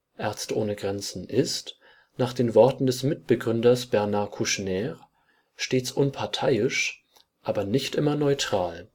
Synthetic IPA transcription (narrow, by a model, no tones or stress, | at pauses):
ʔaɐt͡stʔo̰ːnəɡʁɛnt͡sn̩ʔɪst | naːχd̥eːnvɔɐtn̩dɛsmɪt̚b̥əɡʁʏndɐsb̥ɛʁnaːɐkʰuʃnɛːʁ | ʃteːt͡sʔʊnpʰaɐtʰaɪɪʃ | ʔaːbɐnɪçtʔɪmɐnɔʏtʁ̥aːl